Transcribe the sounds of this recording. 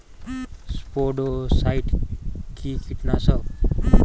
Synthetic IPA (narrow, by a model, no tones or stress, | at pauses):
spoɖosaiʈkikʰiʈnasə